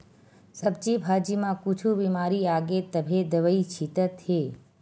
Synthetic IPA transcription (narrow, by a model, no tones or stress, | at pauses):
səb̚t͡ʃibʱaːd͡ʒimãkut͡ʃʰubimaːɾiaːɡet̪əbʱed̪əʋəit͡ʃʰit̪ət̪ɦe